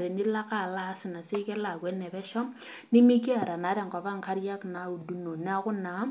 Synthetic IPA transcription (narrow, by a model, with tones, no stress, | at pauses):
ɾɛ˨ni˦la˦ka˦˨la˦sɪ˨na˨se˦kɛ˦la˨kwɛ˦nɛ˨bɛ˦ʃɔ˦m | nɪ˦mi˦ki˦a˨ɾa˨na˨˦da˨ŋkɔ˨ba˦ŋka˦ɾja˦kna˨˦u˨du˦no˨na˦kʊ˦na˨˦